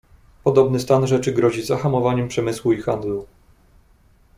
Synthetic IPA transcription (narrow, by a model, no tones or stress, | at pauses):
pɔd̪ɔbnɘst̪anʐɛt͡ʂɘɡɾɔʑizaxamɔvaɲɛmpʂɛmɘswuixand̪lu